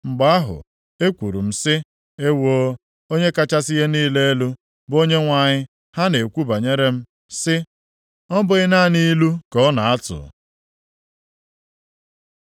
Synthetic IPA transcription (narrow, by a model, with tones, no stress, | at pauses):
ŋ͡m̩˨ɡ͡ba˦a˦ɦʊ̰˨ | e˦kʷu˨ɾṵ˨m̩˨sɪ˦ | e˦wo˦ | o˦ɲe˦ka˦t͡ʃa˦sɪ˦ɣe˦niː˦le˦e˦lu˦ | bo˦ɲe˦ŋʷa˨ɲɪ˦ | ha˦ne˨kʷu˦ba˨ɲe˦ɾe˦m̩˦ | sɪ˦ | ɔ˦bʊ˨˦ɪ˦na˦˨ni˦lu˦kɔ˦na˨a˦tʊ̰˨